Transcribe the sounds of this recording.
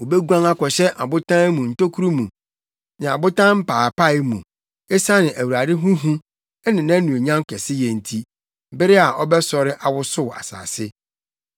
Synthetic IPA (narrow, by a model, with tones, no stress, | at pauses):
wo˨bɛ˦ɡuã˦ŋa˦kɔ˨ɕɛ˦ʔa̰˨bʊ˦tʰã˦mũ˨n̩˨to˦kʰu˦ɾu˦mũ˨ | nɪ̃˨a˨bʊ˦tã˦m̩˦pʰaː˨pa˦˨ɪ˦mũ˨ | e˦sa˦nɪ̃˨ʔæ˨wu˨ɾa˨dɪ˦ɦũ˦ɦũ˦ | ɛ˦nɪ̃˨nã˦nũ˨e˨ɲã˦ŋ˦kʰɛ˨sɪ˦jɛ˨n̩˦tʰi˦ | bɪ˦ɾɪ˦a˨ʔɔ˦bɛ˦sɔ˨ɾɪ˦ʔa˨wʊ˦sʊ˦˨a̰˨sa̰ː˨sɪ˦